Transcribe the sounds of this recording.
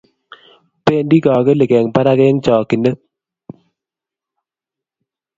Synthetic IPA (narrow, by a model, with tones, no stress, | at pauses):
pe˦˨ndi˦kɔː˨ke˦le˨kɛ˨ŋpa˦ɾa˦ke˦ŋt͡ʃɔ˨ki˨nə˦